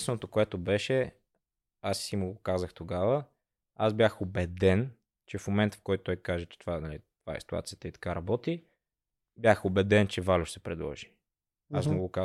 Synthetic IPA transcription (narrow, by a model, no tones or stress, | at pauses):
st̪vɛnot̪okoɛt̪obɛʃɛ | assimuɡʊkazəxt̪oɡavə | azbjaxobɛd̪ɛn | t͡ʃɛfmomɛnt̪ə̥fkɔjt̪t̪ɔjkaʒɛt͡ʃɛ̥t̪ovanɐlit̪ovaɛ̰si̥t̪ua̰t̪sijət̪əit̪ɐ̥kaɾɐbɔt̪i | bjaxobɛd̪ɛnt͡ʃɛvalʲʊʃsɛpɾɛd̪lˠɔ̰ʒi̥ | asmoɡʊka